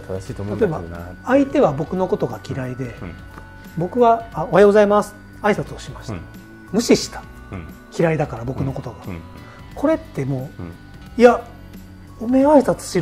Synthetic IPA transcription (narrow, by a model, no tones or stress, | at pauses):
t̪t̪at̪o̞e̞ba̰ait̪e̞βabo̞kɯ̟no̞ko̞t̪o̞ɡakʲiɾaid̪e̞ | bo̞kɯ̟βaːo̞haeɡo̞zaimasɨ̥ | aisat͡sɨoɕimaɕi̥t̪a | mɯ̟ɕiɕi̥t̪ḁ | kʲiɾaid̪akaɾabo̞kɯ̟no̞ko̞t̪o̞ɡa | kʰo̞ɾe̞t̪ːe̞mo̞ː | ia | ome̞aisat͡sɨ̥ɕi